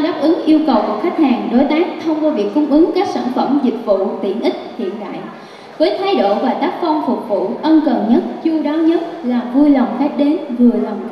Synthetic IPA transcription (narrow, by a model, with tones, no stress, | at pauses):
ɗaː˦˥p̚ʔɨ˨˦ŋʔi˧əwkə˨˩wku˨˧˩əxa˦˥k̟̚haː˨˩ŋɗo˨˦jt̪aː˦˥k̚t̪ʰə˧wŋ͡mkɔː˧vi˨˩ək̚kʊ˨˧˦ŋ͡mʔɨ˨˦ŋkaː˦˥k̚sa̰ː˧˩nfə˧˩mzï˨˩k̟̚vṵ˧˨t̪ḭ˧˩ənʔï˦˥k̚hḭ˧˨ənɗa̰ː˧˨j | vəː˨˦jt̪ʰa˨˦jɗo̰˧˨vaː˨˩t̪aː˦˥k̚fɔ˧nfʊ˨˩k͡p̚vṵ˧˨ʔə˧nkə˨˩nɲə˦˥t̚t͡ɕu˧ɗaː˨˦ɲə˦˥t̚laː˨˩vu˧jla˨˩wŋ͡mxaː˦˥t̚ɗe˨˦nvɨ˨˩əla˨˩wŋ͡m